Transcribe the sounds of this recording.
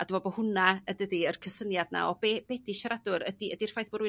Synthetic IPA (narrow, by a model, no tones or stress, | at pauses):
adɪmɔbohʊnaədədiərkʰəsənjadna̰ɔbeb̥ɛdiʃaɾadʊɾə̰diədir̥fajθbɔɾɪ